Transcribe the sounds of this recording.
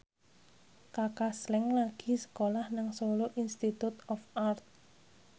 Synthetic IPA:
kakaslɛŋlaɡ̥i̤sə̥kolahnaŋsoloʔinst̪it̪ut̪ɔfart̪̚

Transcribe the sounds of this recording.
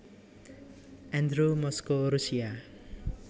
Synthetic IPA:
ɛ̃nd̪ɾumɔskoɾusija

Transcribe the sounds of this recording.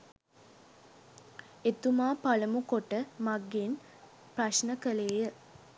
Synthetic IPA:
et̪umaːpaləmukoʈəmaɡːen | praʃnəkəleːjə

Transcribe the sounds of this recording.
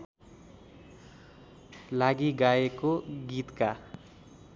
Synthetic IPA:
laɡiɡaekoɡit̪ka

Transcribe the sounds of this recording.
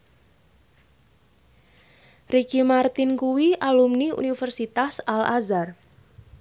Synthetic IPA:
rikimart̪ɪnkuwiʔalumniṵnifərsit̪asalazar

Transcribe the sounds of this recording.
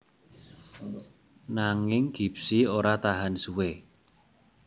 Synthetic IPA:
naŋɪŋɡ̥i̤psioɾat̪aɦansuwe

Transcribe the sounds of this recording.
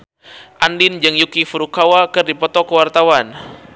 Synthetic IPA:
ʔandind͡ʒəŋjukifuɾukawakɨrdipɔt̪ɔkəwart̪awan

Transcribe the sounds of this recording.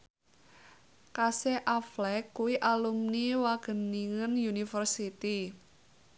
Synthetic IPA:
kasɛʔaflɛkːuwiʔalumniwaɡ̥ə̤niŋənjunifərsit̪i

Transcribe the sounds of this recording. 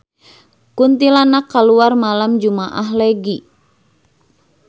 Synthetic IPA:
kunt̪ilanakːaluarmalamd͡ʒumaʔaɦlɛɡi

